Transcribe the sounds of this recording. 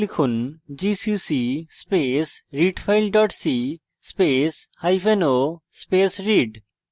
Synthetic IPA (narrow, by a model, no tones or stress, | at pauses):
likʰond͡ʑisisispesɾiɖpʰajlɖɔʈsi | speshajfʰenospesɾiɖ